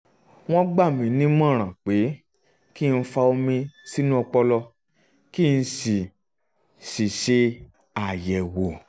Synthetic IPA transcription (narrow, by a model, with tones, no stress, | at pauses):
w̃ɔ̃˦ɡ͡ba˦˨mĩ˨˦nĩ˦mɔ̃˦˨ɾ̃ã˨k͡pe˨˦ | ki˦˧n̩˧˦fa˧o˧mĩ˧si˦nũ˦ɔ˧k͡pɔ˧lɔ˧ | ki˦˧n̩˧si˨ | si˨ʃe˧ | a˨jɛ˨wo˨